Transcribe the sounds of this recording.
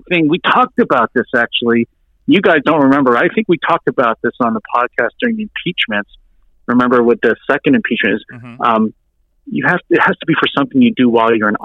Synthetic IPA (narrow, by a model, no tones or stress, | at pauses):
θɪ̃ŋwitʰɔk̚tɨbaʊt̪̚ðɪsæk̚t͡ʃul̩ˠi | jɨɡaɪzdõʊ̃nʔɹɨmɛ̃mbə˞aɪθɪ̃ŋkwitʰɔk̚tɨbaʊt̪̚ðɪsn̩ðəpʰɑd̚kʰæstd̥ʊɹɪ̃ŋðiɨ̃mpʰit͡ʃmɨ̃nts | ɹɨmɛ̃mbə˞wɨðɨsɛkɨ̃ndɨ̃m̩pʰit͡ʃmɨ̃nɨz̥̃m | jɨhæftɨt̚hæstʰəbifə˞sʌ̃mθɪ̃ŋjɨdɨwaɪlˠjə˞ɨ̃n